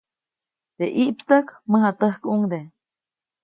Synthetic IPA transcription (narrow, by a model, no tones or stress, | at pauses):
d̪̥eʔiʔpst̪əkməɦat̪əhkuŋd̪e